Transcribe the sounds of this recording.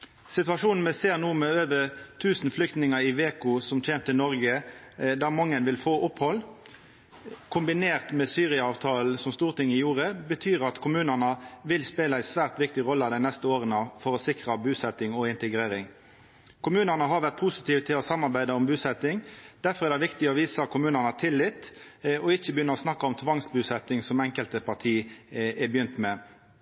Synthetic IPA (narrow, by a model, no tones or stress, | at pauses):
sɪt̪ʉɑʂuːnn̩mɛseːʁnuːmɛøːʋət̪ʰʉːsn̩flʏkt̪nɪŋəɪʋeːkʊsɔmteːmt̪ʰːənɔʁɡə | d̪ɑmɑŋːənʋɪlfoːʔʊphɔl | kʰʊmbɪneːʁt̪mɛsyːʁɪɑɑːʋt̪ʰɑːl̩sɔmst̪uːʁt̪ʰɪŋːɪjuːʁəbət̪ʰyːʁɑt̪kʰʊmʉːnənəʋɪlspeːlɑæɪsʋæːʁt̪ʋɪk̚t̪ɪʁɔlːəɑd̪æɪnɛst̪əoːʁənəfɔɾɔsɪkʁɑbʉːsɛt̪ːɪŋɔɪnt̪əɡɾeːɾɪŋ | kʰʊmʉːnənəɦɑʁʋæʁt̪̚pʰʊsɪt̪iːʋt̪ʰɪlɔsɑmːɑʁbæɪd̪əɔmbʉːsɛt̪ɪŋd̪̥æfɔɾʁɛɾd̪ɛɪʋɪkt̪ɪɔʋiːsəkʊmʉːnənət̪ʰɪlːɪt̪ɔɪçəbəjʏnːəʁɔsnɑkːɑɔmt̪ʰʋɑŋsbʉːsɛt̪ːɪŋsɔmɛŋkəlt̪əpɑʁt̪ʰiːɛbəjʏnt̪mɛ